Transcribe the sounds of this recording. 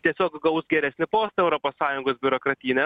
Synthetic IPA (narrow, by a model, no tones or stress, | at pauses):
t̪ʲiɛsʲoːkɡɐʊsɡʲɛɾʲæsʲnʲɪpoːst̪ɐɛʊɾoːpoːssɑːjʊŋɡoːsbʲʊɾoːkɾɐt̪ʲiːnʲɛ